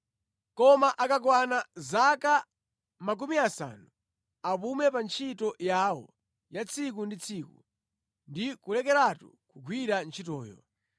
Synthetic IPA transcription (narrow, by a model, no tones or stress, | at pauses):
kɔmaʔakak̬wanazaka | mak̬umiasa̰ːnu | apumɛpant͡ʃʰitɔjaːwɔ̰ | jat͡sʰik̬undit͡sʰikṵ | ndikulɛkɛɾatṵ | kuɡʱwiɾant͡ʃʰitɔːjɔ̰